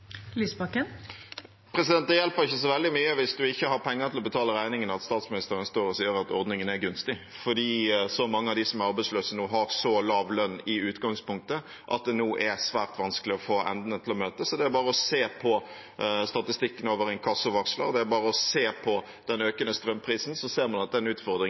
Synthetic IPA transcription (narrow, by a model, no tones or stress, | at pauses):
lisbɑkən | pʰɾɛsɪd̪ɛnt̪ɑjɛlpəɾɪçːəs̬ɔʋɛld̪ɪmyːəʋɪsd̪ʉɪçːəhɑɾpʰɛŋːəʁt̪ʰɪlɔbət̪ʰɑːləɾæɪnɪŋənɑt̪st̪ɑːt̪smɪnɪst̪əɾənst̪oːɾɔsiːəɾɑt̪ɔɾd̪nɪŋənæɾɡʉnst̪ɪ | fɔd̪iːsɔmɑŋːəɑʋd̪ɪsɔmæɾɑɾbæɪsløːsənuːɦɑɾsɔlɑːʋlœnːɪʉːt̪ɡɑŋspʊŋk̚t̪ə | ʔɑ̰t̪̚d̪ɛnuːʔæɾsʋæːɾt̪ʋɑnskəlɪɔfoːʔɛ̰nd̪nət̪ʰɪlɔmøːt̪əsɔd̪ɛæɾbɑːɾəɔseːpʰɔ | st̪ɑt̪ɪst̪ɪkːənoːʋəɾɛɪnkʰɑsːʊʋɑkslɑ̰d̪ɛæɾbɑːɾəɔseːpʰɔ | d̪̥ɛnøːkənəst̪ɾœmpʰɾiːsn̩sɔseːɾmɑnɑt̪̚d̪ɛnʉːt̪fɔɾd̪ɾɪ